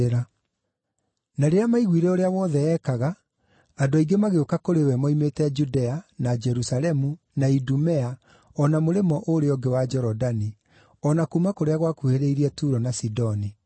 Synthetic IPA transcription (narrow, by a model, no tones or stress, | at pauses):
eɾa | naɾeamaiɣwiɾɛoɾeawɔːðɛɛkaɣaː | doaiɡemaɣeokakoɾewɛmɔimetɛd͡ʒudɛanad͡ʒɛɾusalɛmu | naidumɛa | ɔnamoɾemɔʔoɾeɔɡewad͡ʒɛɾɔdani | ɔnakuːmakoɾeaɣwakuheɾeiɾiɛtuːɾɔnasidɔni